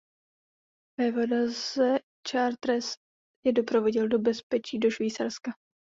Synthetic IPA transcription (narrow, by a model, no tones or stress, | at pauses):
vɛvodazɛ | t͡ʃaːɾt̪ɾɛst̪ | jɛdo̞pɾo̞vo̞ɟɪldo̞bɛspɛt͡ʃiːdo̞ʃviːt͡ssaɾska